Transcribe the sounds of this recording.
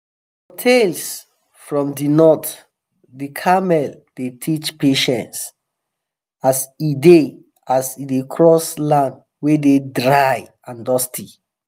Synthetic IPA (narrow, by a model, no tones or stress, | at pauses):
h | otʰels | fɹɔ̃mdinɔt | dikʰamɛl | d̥etʰit͡ʃpeʃɛ̃nts | aside | asidekʰɹɔslãnd | wededɹaj | ãndɔstʰi